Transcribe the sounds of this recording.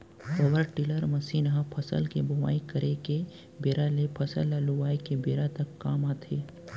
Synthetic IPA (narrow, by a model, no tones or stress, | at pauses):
ɐʋəɾʈɪləɾmɐsiːnɦãpʰəsə̰lkebʱʊʋa̰ːikəɾʔeke | beːɾalepʰəsə̰lːaluʋaːikebeːɾat̪ɐkːaːmaːt̪ʰeː